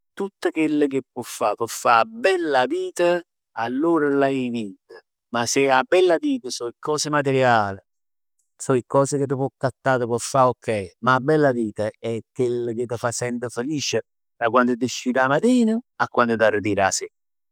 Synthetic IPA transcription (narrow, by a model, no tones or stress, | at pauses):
t̪ut̪ːəkwelːək̟ɪpːwɔfːapwɔfːabɛlːaviːt̪ə | alːoːɾalaimid̪ə | masɪabːɛlːaviːt̪əsɔikɔːsɪmat̪ɪɾjaːlɪ | sɔikːɔːsɪk̟ɪt̪̬ːəpwɔkːat̪ːaːt̪əpwɔfːaokʰːɛjmaːbːɛlːaviːt̪aɛkːelːək̟ɪt̪ːəfasɛnt̪əfelit͡ʃə | t̪ɾakwand̪ʊd̪ɪʃiːɾamat̪iːnəakwand̪ət̪aɾd̪iːɾa̰sɪ